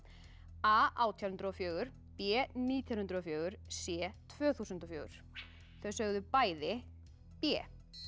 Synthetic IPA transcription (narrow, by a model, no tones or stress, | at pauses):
aːʔaːwt̪ʰjawhnt̪ɾɔfjœːɣʏɾ̥ | pɛːniːt̪ʰjanhnt̪ɾɔfjœːɣʏɾ̥sjɛːt̪ʰv̥œːθuːsʏnt̪ɔfjœːɣʏ̰ɾ̥ | θœɥsœɣðʏpaːjðɪ | pɛː